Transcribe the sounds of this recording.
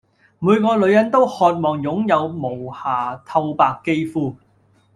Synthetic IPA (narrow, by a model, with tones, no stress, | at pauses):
muː˨˧jkɔː˧lɵ˨˧ɥjɐ˨˥nt̪o˥whɔː˧t̚mɔː˨ŋjʊ˨˥ŋjɐ˨˧wmo˨˩whaː˨˩t̪ʰɐ˧wpaː˨˧kːe˥jfuː˧